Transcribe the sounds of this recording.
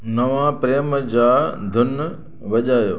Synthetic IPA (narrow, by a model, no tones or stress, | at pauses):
nɐʋãpɾeːmd͡ʑaːd̪ʱʊn | ʋɐʄaːjo̰ː